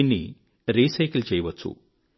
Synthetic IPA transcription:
inːḭ | ɾiːsɐjkɐlt͡ʃɛjɐʋɐt͡ʃːṵ

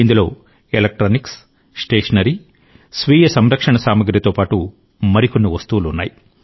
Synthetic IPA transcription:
ind̪ulo̞̰ː | elɐk̚ʈɾoːniks | sʈeːʂɐnɐɾi | sʋiːjɐsɐmɾɐkʂɐɳɐsaːmɐɡɾɐt̪o̞ːpaːʈu | mɐɾikonːuʋɐst̪uːlunːa̰ːji

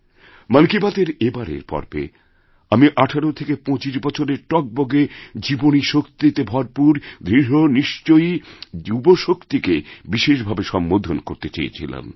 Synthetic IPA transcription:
manikibat̪eɾebaɾḛɾpɔ̰ɾbḛ | amiʔaʈʰaɾot̪ʰekepɔ̃t͡ɕiʃbɔt͡ɕʰoɾeɾʈɔk̚boɡed͡ʑiboniʃokt̪iiet̪ebʱɔɾpuɾd̪ɾiɦoniʃt͡ɕojd͡ʑuboʃokt̪ikebiʃeʃbʱabeʃɔmbod̪ʱonkoɾt̪et͡ɕḛjḛt͡ɕʰḭla̰m

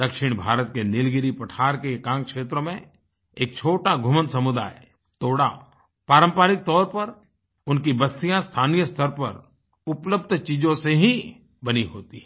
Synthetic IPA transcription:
d̪ɐkʃɪɽ̃bʱaːɾət̪kenɪlɡɪɾipəʈʰaːɾkekãːŋkʃeːt̪ɾõmẽ | eːk̚t͡ʃʰoːʈaɡʱʊmənsɐmʊd̪a̰ːe | t̪oːɽa | paːɾə̃mpaːɾɪk̚t̪ɔːɾpɐɾ | ʊnkibɐst̪ijãst̪ʰaːnijəst̪ʰəɾpɐɾ | ʊpləbd̪ʱt͡ʃiːd͡ʒõseɦĩ | bɐniɦoːt̪i

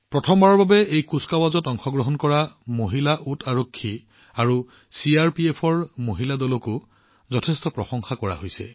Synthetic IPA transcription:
pɹɔtʰɔmbaɹɔɹbabɛejkuskawazɔtɔŋxɔɡɹɔɦɔnkɔɹamoɦilaʔutaɹokʰːi | aɹu | siaɹpiepʰɔɹmoɦiladɔlɔkʊ | zɔtʰɛstɔpɹɔsɔŋxakɔɹa̰ɦojsɛ̰

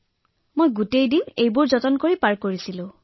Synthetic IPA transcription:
mojɡutejdinejbʊɹzɔtɔnkoɹipaɹkoɹisilʊ̃

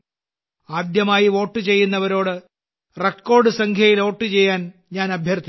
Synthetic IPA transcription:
aːd̪jɐmaːjiʋo̞ːʈːɨt͡ɕe̞jːunːɐʋɐɾo̞ːɽɨ | rekːo̞ːɖɨsɐŋkʰjɐjilo̞ːʈːɨt͡ɕe̞jːaːn | ɲaːnɐbʱjɐrt̪ʰi

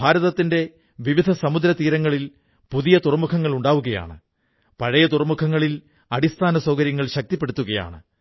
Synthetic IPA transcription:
bʱaːɾɐðɐt̪ːinde̞ | ʋiʋid̪ʱɐsɐmud̪ɾɐt̪iːɾɐŋːɐɭil | puðijɐt̪urɐmukʰɐŋːɐɭuɳɖaːʋuɣɐja̰ːɳɨ̰ | pɐɻɐjɐt̪urɐmukʰɐŋːɐɭil | ɐɽist̪ʰaːnɐsoːkɐɾjɐŋːɐɭɕɐk̚t̪ipːe̞ɽut̪ːuɣɐja̰ːɳɨ

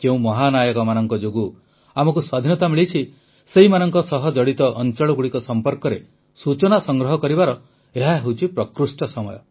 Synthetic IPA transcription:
keũmɔɦanajɔkɔmanɔŋkɔd͡ʒoɡu | amɔkuswad̪ʱinɔt̪amiɭit͡ʃʰi | seɦimanɔŋkɔsɔɦɔd͡ʒɔɽit̪ɔʔːnt͡ʃɔɭɔɡuɽikɔsɔmpɔɾkɔɾe | sut͡ʃɔnasɔŋɡɾɔɦɔkɔɾibaɾɔ | eɦaɦewt͡ʃʰipɾɔkɾusʈɔsɔmɔ̰jɔ̰

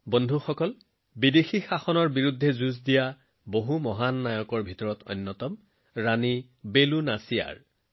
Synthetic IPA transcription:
bɔndʱuxɔkɔl | bidexixaxɔnɔɹbiɹudʱːɛzuzdija | boɦumɔɦanːajɔkɔɹbʱitɔɹɔtɔ̰jnːɔtɔm | ɹani | belunasija̰ɹ

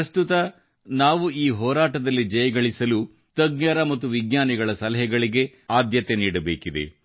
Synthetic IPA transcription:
ɐst̪ut̪ɐ | naːʋuiːɦɔːɾaːʈɐd̪ɐlːid͡ʒɐjɐɡɐɭisɐlu | t̪ɐɡɲɐɾɐmɐt̪ːuʋiɡjaːniɡɐɭɐsɐlɐɦɛɡɐɭiɡe̞ | aːd̪jɐt̪eniːɽɐbḛːkid̪e̞̰

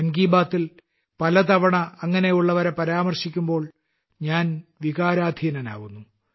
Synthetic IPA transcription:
ɐŋɡiːbaːt̪ːil | pɐlɐt̪ɐʋɐɳɐːŋːɐne̞juɭːɐʋɐɾepɐɾaːmɐrɕikʲːumbo̞ːɭ | ɲaːnʋiɣaːɾaːd̪ʱinɐna̰ːʋunːu

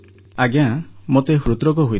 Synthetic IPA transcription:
aɡjãmot̪eɦɾut̪ɾɔk̬ɔɦuj

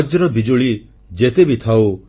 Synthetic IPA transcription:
d͡ʒɾɔb̪id͡ʒuɭi | d͡ʒet̪ebit̪ʰaw

